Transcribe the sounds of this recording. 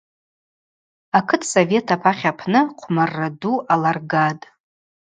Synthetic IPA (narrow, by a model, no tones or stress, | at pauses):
akʰɨtʰso̞ve̞tʰapʰaχʲapʰnɨqʷʰmarːaduʔalarɡatʼ